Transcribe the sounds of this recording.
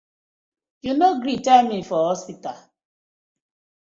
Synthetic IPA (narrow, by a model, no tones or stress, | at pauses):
junoɡɾitaɪmĩnfɔɔspita